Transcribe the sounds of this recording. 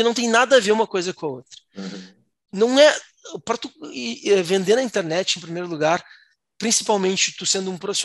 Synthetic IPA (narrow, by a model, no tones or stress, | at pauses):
ɪnɐ̃t̪ẽj̃nad̪ɐveɾũmɐkojzɐkõɐot̪ɾɐ | nɐ̃w̃ɛ | pɾɐt̪uɛvẽnd̪eɾɐĩnt̪eɾnɛt͡ʃɪẽj̃pɾimejɾʊluɡaɾ | pɾĩsi̥pawmẽnt͡ʃɪt̪usẽnd̪ʊũpɾofi̥s